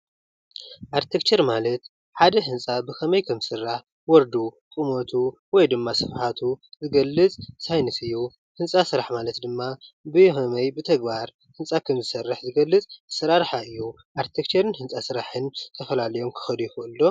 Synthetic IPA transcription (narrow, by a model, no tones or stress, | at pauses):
ʔaɾt̪ʰekt͡ʃʰeɾmalɐt̪ | ħad̪ɐɦɨnt͡sʼabɨxʰɐmɐjkʰɐmɨsɨrːaħ | wɔɾd̪u | kʼɨmot̪ʰuwɔjd̪ɨmːasɨfħat̪ʰuzɨɡɐlːɨt͡sʼsajnɨsɨjːu | hɨnt͡sʼasɨɾaħmalɐt̪d̪ɨmːabɨhɐmɐjbɨt̪ʰɐɡbaɾ | hɨnt͡sʼakʰɐmzɨsɐrːɨħzɨɡɐlːɨt͡sʼsɐɾaɾħaɨjːu | ʔaɾt̪ʰekt͡ʃʰeɾɨnhɨnt͡sʼasɨɾaħɨnt̪ʰɐfɐlalɐjo̞mkʰɨ̥xɐd̪ujɪxʔɨlːo